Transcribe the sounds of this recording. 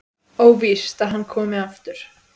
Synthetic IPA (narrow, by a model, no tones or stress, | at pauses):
oːwvɪst̪aðɦanːkʰɔːmɪaft̪ʏɾ̥